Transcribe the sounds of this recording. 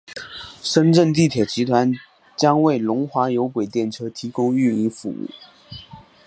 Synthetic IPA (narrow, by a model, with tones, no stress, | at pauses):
ʂə˥nʈ͡ʂə˥˧ŋt̪̬i˥˩t̪ʰjɛ˨˩t͡ɕi˧˥t̪ʰwa˧˥n | t͡ɕjɑ˥ŋwe˥˩ɪlʊ˧˥ŋxwa˧˥jo˧˥ʊkwe˨˩ɪt̪jɛ˥˩nʈ͡ʂʰɤ˥t̪ʰi˧˥kʊ˥ŋy˥˩i˧˥nfṵ˧˥ṵ˥˩